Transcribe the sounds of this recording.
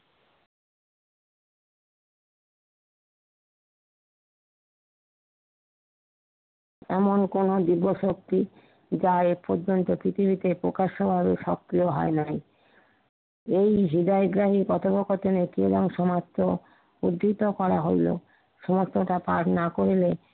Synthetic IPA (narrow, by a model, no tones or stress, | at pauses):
ɛmonkonod̪ibːoʃok̚t̪i | d͡ʑaepoɾd͡ʑont̪opɾit̪ʰibit̪epɾokaʃobʱabeʃɔkːɾioɦɔ̰enaj | ejɦid̪aeɡɾaɦikɔt̪ʰopokot̪enekied̪aŋʃɔmat̪ːo | ud̪ːit̪okɔɾaɦojlo̰ | ʃɔmost̪ʰoʈapaɾnakoɾile